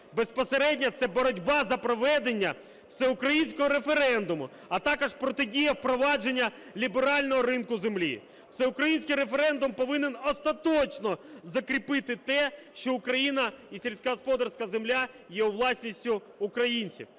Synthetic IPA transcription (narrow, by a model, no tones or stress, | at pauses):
be̞spɔseɾɛdʲnʲɐt̪sɛbɔɾɔdʲbɑzɐpɾɔʋɛd̪e̞nʲːɐ | sɛʊkɾɐjinʲsʲkɔɦɔɾefe̞ɾɛnd̪ʊmʊ | ɐt̪ɑkɔʃpɾɔt̪edʲijɐwpɾɔʋɑd͡ʒe̞nʲːɐ | lʲibeɾɑlʲnɔɦɔɾɪnkʊzemlʲḭ̥ | sɛʊkɾɐjinʲsʲkɪjɾefeɾɛnd̪ʊmpɔʋɪnenɔst̪ɐt̪ɔt͡ʃnɔzɐkɾʲipɪt̪ɪt̪ɛʃt͡ʃɔʊkɾɐjinɐisʲelʲsʲkɐɦɔspɔd̪ɐrsʲkɐzemlʲa | jɛuʋlˠɑsʲnʲisʲtʲʊː | kɾɐjinʲt͡sʲḭw